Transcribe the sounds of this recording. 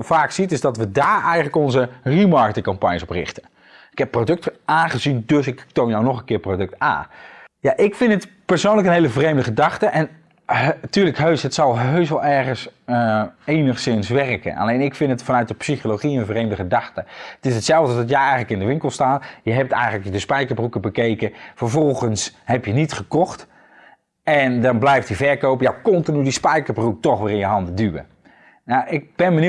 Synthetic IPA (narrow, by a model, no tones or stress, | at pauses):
vaːksitɪzdɑtʋədaːɹɛjχələkɔnzərimɑɹkətɪ̃ŋkɑmpaɲjəsɔprɪ̰χtən | ɪkɦɛpːrodɵk̚tʔaːnχəzindɵsɪktownjawnɔχə̃nkɪːɹprodɵk̚ta̰ːnjaʔɪkfɪntətpəɹsownləkənɦejləvrejmdəχədɑχtəʔɛn | tyːɹləkɦøɥsɦətsɑlˠɦøɥsʋɑlˠɛɹχəs | enəχsɪnsʋɛrkə̰nʔa̰lejnɪkfɪntətfɑnœɥt̚dəpsixoloχiənvrejmdəχədɑxtəətɪsətsɛlˠvdədɔtjɛɛjənləkɪndəʋɪŋkəlˠstaːtjəɦɛp̚tɛ̰jənləkədəspɛjkəɹbrukəbəkejkəfəɹvɔlˠχənshɛpjənitχəkɔχt | ɛndɑnblɛjftdivɛɹkowpjawkɔntinydispɛjkəɹbruk̚tɔχʋɪːɾɪ̃njəɦɑndədyə̰ | jaʔɪk̚bɛnbən